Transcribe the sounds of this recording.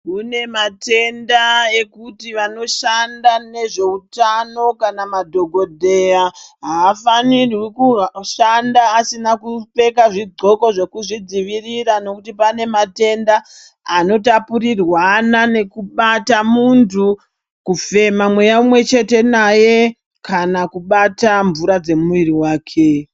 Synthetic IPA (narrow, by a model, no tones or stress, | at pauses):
kune̞mate̞ndae̞kutiʋano̞ʃandane̞ʐe̞utano̞kanamadʱo̞ɡʱo̞dʱe̞aɦaːfanirwikuʃandaːsinakupe̞kaʐid͡zo̞ko̞ʐe̞kuʐid͡ziʋiriɾano̞kutipane̞mate̞ndaː | no̞tapuɾirwanane̞kuɓatamuntʰu | kufe̞mamwe̞jaumwe̞t͡ʃe̞te̞naje̞ | kanakuɓataɱvuɾad͡ze̞muʋiɾiwaːkʰe̞